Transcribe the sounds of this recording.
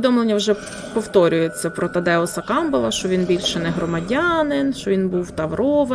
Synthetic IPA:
ɪd̪ɔmlˠenʲːɐwʒɛ | pɔwt̪ɔɾʲʊjet͡sʲːɐpɾɔt̪ɐd̪ɛɔsɐkɑmbɐlˠɐʃt͡ʃɔʋʲinbʲilʲʃɛnɛɦɾɔmɐdʲanɪnʃt͡ʃɔʋʲinbuwt̪ɐʋɾɔʋɐ

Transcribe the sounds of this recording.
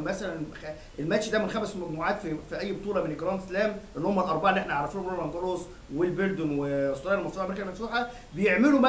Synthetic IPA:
mæsælænx | ʔelmæʃd̪æmenxæbæselmæɡ̚muːʕaːt̪fifiʔæjːbot̪ˤuːlɑmeneɡɾˤɑːnt̪slæːmʔenːohomːælʔɑɾˤbɑʕelːʔeħnæʕaɑɾˤːɑfinomenoælʔænɡ̪ɑlos | welbeld̪omwesˤːoɾɑːelmæft̪uħʔmeɾikælmæfsuːħɑ | bejeʕmelumæ

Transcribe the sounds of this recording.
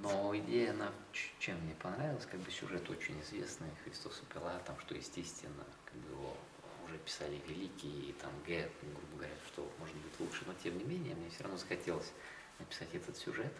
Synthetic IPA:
no̞ɪdʲejəɐnat͡ɕt͡ɕːemːnʲepɐnɾavʲɪlˠəsʲkaɡ̚bɨsʲʊ̰ʐɛt̪o̞t͡ɕɪnʲɪzvʲḛsnɨxɾʲɪst̪o̞sʊpʲɪlˠat̪amʂt̪o̞jɪ̰sʲtʲesʲt̪vʲɪnːə̰kaɡ̚bɨjɪvo̞̰ | ʊʐɛpʲɪ̥salʲɪvʲɪlʲikʲɪjəit̪amɡɛɡɾubəɡəvɐɾʲat̪ʂt̪omo̞ʐnbudʲɪt̪lˠutʂɨno̞tʲemnʲɪmʲenʲɪjəmnʲefsʲoɾɐvnozəxɐtʲe̞lˠəsʲ | nəpʲɪ̥satʲɛt̪ət̪sʲʊʐɛt̪

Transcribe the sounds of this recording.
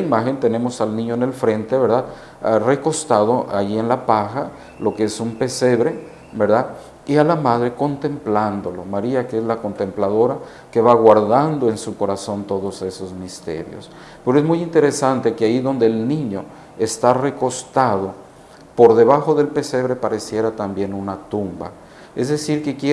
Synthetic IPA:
imaxe̞nt̪e̞ne̞mo̞salnĩɲone̞lfɾe̞nt̪e̞βeɾðað | re̞ko̞st̪aðo̞ʔajie̞nlapaxa | lo̞keesumpe̞se̞βɾe̞ | be̞ɾðað | ialamað̞ɾe̞ko̞nt̪e̞mpland̪o̞lo̞maɾiakeezlako̞nt̪emplaðo̞ɾa | ke̞βaɣwaɾðand̪oe̞nsuko̞ɾaso̞nt̪o̞ðo̞se̞so̞zmist̪e̞̰ɾjo̞̰s | peɾoe̞zmujint̪e̞ɾe̞sant̪e̞keajiðo̞nd̪eːlnĩɲo̞ | est̪are̞ko̞st̪aðo̞ | po̞ɾðe̞βaxo̞ðe̞lpe̞se̞βɾe̞paɾe̞sje̞ɾat̪ambje̞nunat̪umba̰ | e̞zðe̞siɾke̞kje

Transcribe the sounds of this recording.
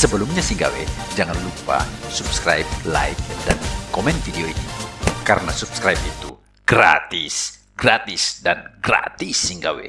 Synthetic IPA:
səbəlumɲasiŋɡa̰wḛd͡ʒaŋanlupa̰supskɾa̰ip̚la̰jk̚dankomɛnfideoinikaɾənasupskɾajp̚it̪u | ɡ̥ra̰t̪is | ɡ̥ɾat̪ɪsdanɡra̰t̪isːiŋɡawḛ

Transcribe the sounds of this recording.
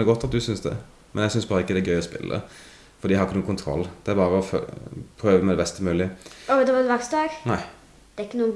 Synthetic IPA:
ɛɡɔt̪ːɑt̪̚d̪ʉsʏnsd̪ɛ̰ | mɛnɛsʏnsbɑːɾəɪkːəd̪ɛæɾɡœʏɔspɪ̰lːʔə̰ | fɔɾd̪iːhɑɾɪkːənuːəkʊnt̪ʰɾɔ̰lːd̪̥ɛæɾbɑːɾəɔfpʰɾøːʋəmɛd̪ɛbɛst̪əmʉːlɪɔd̪ɛʋɑd̪ʋɑksd̪ɑːɡnæɪ | d̪̥ɛɾɪkːənuː

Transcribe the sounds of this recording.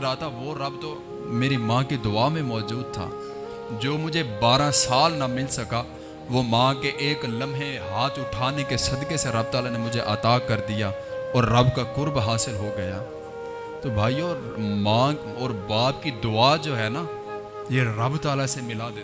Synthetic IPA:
ɾaːt̪aʋoɾɐbt̪o | meːɾimãːkid̪ʊaːmẽmɔːd͡ʒuːd̪̚t̪ʰa̰ː | d͡ʒoːmʊd͡ʒʱebaːɾãsaːlnamɪlsɐka | ʋomãːkeʔeːklɐ̃mɦeɦaːt̪ʰʊʈʰaːnekesɐd̪keseɾɐb̚t̪aːlanemʊd͡ʒʱeʔɐt̪aːkɐɾd̪ija | ɔːɾːɐbkakʊɾbɦaːsɪlɦoɡɐjaː | t̪obʱaːiɔːɾ | mãː | ɔːɾbaːb̚kid̪ʊaːd͡ʒoːɦɛːnaː | jeɾɐbt̪aːlasemɪlad̪eː

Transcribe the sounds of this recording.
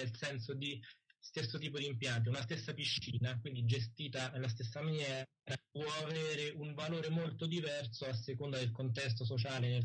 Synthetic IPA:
elsɛnsod̪ist̪esːot̪̬iːpod̪iːmpjant̪̬eunast̪esːapiʃːiːnakwind̪id͡ʒest̪iːt̪anelas̬t̪esːamanjɛː | ɾapwɔaveːɾeuɱvaloːɾemolt̪od̪ivɛrsoasːekond̪ad̪elkont̪ɛs̬t̪os̬ot͡ʃaːlenel

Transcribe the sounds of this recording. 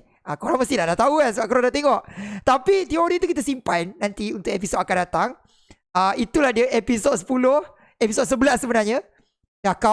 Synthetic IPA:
akoɾaŋmast̪ihdahdaht̪auas̬əbaʔkoɾandat̪eŋɔʔt̪apit̪ioɾit̪ukit̪asimpajnːãnt̪iunt̪ʊkʔep̬isot̪̚akandat̪aŋ | əit̪ulahdiəʔepisɔt̪̚sə̥pulʊh | episɔt̪̚səbəlasːəbənarɲa | jaka

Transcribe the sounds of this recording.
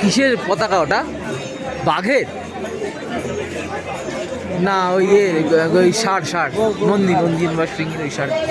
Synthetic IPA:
kiʃeɾpɔt̪akaɔʈa | baɡʱeɾ | naojeɾojʃaɽʃaɽmond̪imond̪ienbaʃpɾiŋeɾojʃaɽ

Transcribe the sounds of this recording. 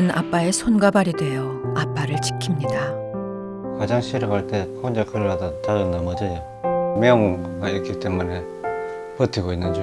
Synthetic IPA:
na̰p͈aesʰonɡabaɾidwe̞jʌap͈aɾɯɭt͡ɕʰi̥kʰimɲida | kad͡ʑaŋɕʰiɾɯɡaɭt͈e̞kʰond͡ʑakʰɯɾɯbadatad͡ʑʌndamʌd͡ʑe | meoŋɡaikʰit͈e̞mune̞ | pɯtʰiɡoinːɯnd͡ʑ

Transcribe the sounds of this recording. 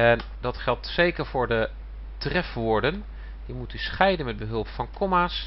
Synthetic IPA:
ɛn | dɑtχɛlˠtsejkəɹvʊːɹdə | trɛfʋoːɹdən | dimutysχɛjdənmɛd̚bəɦɵlˠpfɑnkɔmaːs

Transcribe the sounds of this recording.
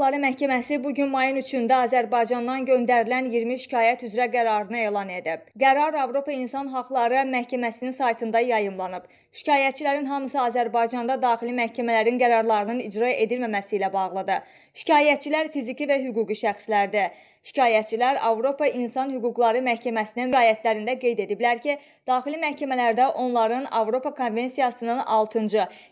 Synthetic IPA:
lˠɑɾɯmæhcʰæmæsibuɟynmɑjɯnyt͡ʃʰynd̪æɑːzæɾbɑjd͡ʒɑnd̪ɑnɟø̞nd̪æɾilænjiɾmiʃi̥cʰɑːjæt̪ʰyzɾæɡæɾɑɾɯnɯe̞ːlˠɑne̞d̪ib̥̚ɡæɾɑɾɑvɾo̞pʰɑinsɑnɦɑqlˠɑɾɯmæhcʰæmæsininsɑjt̪ʰɯnd̪ɑjɑjɯmlˠɑnɯb̥ | ʃi̥cʰɑːjæt̪̚t͡ʃʰilæɾinɦɑmɯsɑːzæɾbɑjd͡ʒɑnd̪ɑd̪ɑːxilimæhcʰæmælæɾinɡæɾɑɾlˠɑɾɯnɯnid͡ʒɾɑe̞d̪ilmæmæsiːlæbɑɣlˠɯd̪ɯ | ʃi̥cʰɑːjæt̪̚t͡ʃʰilæɾfizicʰivæɦyɡuːɡiʃæxslæɾd̪i | ʃi̥cʰɑːjæt̪̚t͡ʃʰilæɾɑvɾo̞pʰɑʔinsɑnhyɡuɡlˠɑɾɯmæhcʰæmæsininviɑːjæt̪ʰlæɾind̪æɡe̞jd̪e̞d̪iblæɾcʰi | d̪̥ɑːxilimæhcæmælæɾd̪æʔo̞nlˠɑɾɯnɑvɾo̞pɑkʰo̞nve̞nsijɑsɯnɯnɑ̰lˠt̪ʰɯnd͡ʒɯ

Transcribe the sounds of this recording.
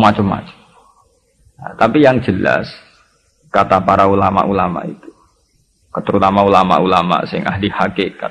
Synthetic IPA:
mat͡ʃʊmːa̰t͡ʃʊ̥m | jat̪apijaŋd͡ʒəla̰s | kat̪apaɾaulama̰ʔulama̰ʔit̪u̥ | kət̪əɾut̪amaulama̰ʔulama̰ʔsɪŋʔahlihakeka

